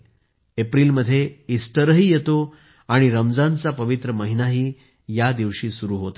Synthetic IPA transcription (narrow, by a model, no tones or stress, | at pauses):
epɾiːlməd̪ʱːjeisʈ̪əɾəɦiːjet̪o | aɽ̃iɾəmd͡zant͡sapəʋit̪ɾəməɦinaɦiː | jad̪iʋɕiːsuɾuːɦot̪a